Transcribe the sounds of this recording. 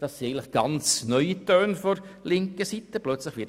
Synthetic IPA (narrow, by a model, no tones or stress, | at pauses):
d̥ɑsiɛɪɡəntlə̥χɡ̥ɑnt͡snœʏitøːnfɔɾlɪŋkəsit̪əplœt͡sləχʋɪ